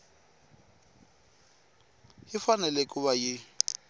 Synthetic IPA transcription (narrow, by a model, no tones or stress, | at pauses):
hɪfanɛlɛkʼʊβajɪ